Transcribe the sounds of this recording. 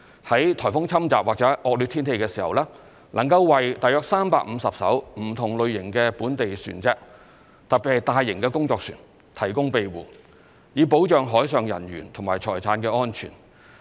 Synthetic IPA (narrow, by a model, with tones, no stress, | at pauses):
hɐ˨˥jt̪ʰɔː˨˩fʊ˥ŋt͡sʰɐ˥mt͡sa̰ː˨p̚waː˨k̚t͡sɛ˨˥ʔɔː˧k̚lyː˧t̪ʰiː˥nt̪e˧jkɛː˧siː˨˩hɐ̰˨˩wlɛː˥ | lʔɐ˨˩ŋkɐ˧wːɐ˨jt̪aː˨jœː˧k̚saː˥mpaː˧k̚m̩˨˧sɐ˨p̚sɐ̰˨˥wm̩˨˩t̪ʰʊ˨˩ŋlɵ˨˧ɥjɪ˨˩ŋkɛː˧puː˨˥nt̪e˨jsy̰ː˨˩nt͡sɛː˧k̚ | t̪ɐ˨p̚pːi˨˩hɐ˨jt̪aː˨˧jːɪ˨˩ŋkɛː˧kʊ˥ŋt͡sɔː˧k̚sy̰ː˨˩n | t̪ʰɐ˨˩jkʊ˥ŋpe˨˧jwuː˨˩ | jiː˨˧po˨˥wt͡ʃœː˨ŋɦɔː˨˥jsœː˨ŋjɐ̰˨˩nɥy̰ː˨˩nt̪ʰʊ˨˩ŋmaː˨˩jt͡ʃʰɔː˨˩jt͡sʰaː˨˥nkɛː˧ɔː˥nt͡ʃʰy̰ː˨˩n